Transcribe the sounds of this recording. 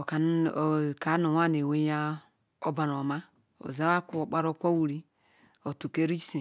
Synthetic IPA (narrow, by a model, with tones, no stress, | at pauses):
o˨ka˨n˦˨ka˨˦no˨wa˦n˨e˨we˦ja˦ | o˦ba˨ɾo˨ma˦ | o̰˨za˦wa˦ku˦o˨k͡pa˦ɾo˦˨kʷo˦wu˨ɾi˦ | o˨tu˨ke˦ɾi˦se˨